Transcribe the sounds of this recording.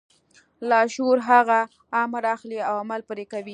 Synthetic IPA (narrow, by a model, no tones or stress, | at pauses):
lɑʃoɾɦaɣaː | maɾɑxliawamalpəɾekawi